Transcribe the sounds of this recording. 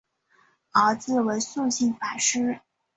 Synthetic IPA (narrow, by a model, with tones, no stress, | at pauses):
ɑ˨˧˩ʊt͡sɹ̩˥˩we˧˥ɪsu˥˧ɕi˥˩nfa˨˩ʂɻ̩˥